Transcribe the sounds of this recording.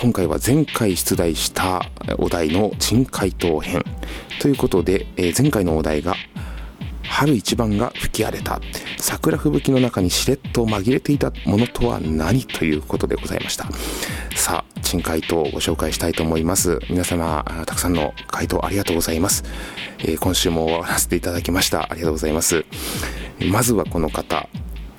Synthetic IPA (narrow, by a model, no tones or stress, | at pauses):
kõ̞ŋkaiβa̰zẽ̞ŋkaiɕi̥t͡sɨd̪aiɕi̥t̪ʰao̰d̪aino̞t͡ɕĩŋkʰait̪o̞ːhẽ̞nt̪o̞jɯ̟ːko̞t̪o̞d̪e̞zẽ̞ŋkaino̞ːd̪a̰iɡa | haɾɯ̟it͡ɕibãŋɡa̰ɸɯ̟̥kʲia̰ɾe̞t̪a̰sakɯ̟ɾaɸɯ̟bɯ̟kʲino̞nakaɲ̟iɕiɾe̞t̪ːo̞maɡʲiɾe̞t̪e̞it̪amo̞no̞t̪ʰo̞βa̰naɲ̟it̪ʰo̞jɯ̟ːko̞t̪o̞d̪e̞ɡ̥o̞za̰ḭmʔaɕi̥t̪ʰḁsa̰ːt͡ɕĩŋkait̪o̞ɡo̞̰ɕo̞ːkaiɕi̥t̪ait̪o̞ːmo̞imasɨmʲinasamat̪ḁkɯ̥sãnːo̞̰kʰait̪o̞̰ːʔaɾʲiɡat̪o̞ːɡo̞zaimasɨ̥ḛːkõ̞ɰ̃ɕɨːmo̞aɾaset̪e̞it̪ad̪akʲimaɕi̥t̪a̰ʔa̰ɾʲiɡat̪oːɡozaimasɨ | mazɨβako̞no̞kat̪a̰